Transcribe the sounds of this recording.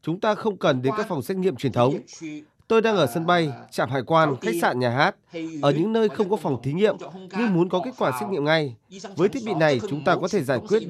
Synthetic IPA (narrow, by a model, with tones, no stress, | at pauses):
t͡ɕʊ˨˦ŋ͡mt̪aː˧xə˧wŋ͡mkə˨˩nɗe˨˦nkaː˨˥k̚fa˨˩wŋ͡msɛ˦˥k̚ɲḭ˧˨əmt͡ɕwi˨˩ənt̪ʰə˨˦wŋ͡m | t̪o˧jɗaː˧ŋʔəː˧˩sə˧nɓa˧jt͡ɕa̰ː˧˨mɦa̰ː˧˨jkwaː˧nxa˦˥jk̚sa̰ː˧˨nɲaː˨˩ɦaː˦˥t̚ʔəː˧˩ɲɨ̰˧˥ŋnəː˧jxə˧wŋ͡mkɔ˨˦fa˨˩wŋ͡mt̪ʰi˨˦ŋḭ˧˨əmɲɨ˧ŋmu˨˦ənkɔ˨˦ke˦˥t̚kwaː˧˩sɛ˦˥k̚ɲḭ˧˨əmŋa˧jvəː˨˦jt̪ʰi˦˥əɓḭ˧˨na˨˩jt͡ɕʊ˨˦ŋ͡mt̪aː˧kɔ˨˦t̪ʰe˧˩zaː˧˩jkwi˦˥ət̚